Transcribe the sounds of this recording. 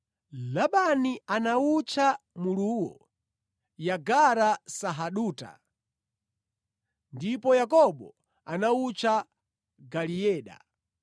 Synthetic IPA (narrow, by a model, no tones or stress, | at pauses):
laɓanianaut͡ʃʰamuluwɔ̰ | jaɡaɾasaɦaɗuːta̰ | ndipɔjakɔɓɔ | anaut͡ʃʰa | ɡaliɛːɗa̰